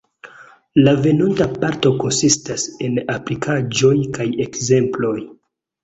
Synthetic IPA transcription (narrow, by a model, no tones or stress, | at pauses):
lave̞nontapaɾto̞ko̞nsistase̞naplikʰad͡ʒo̞jkaje̞kze̞mplo̞j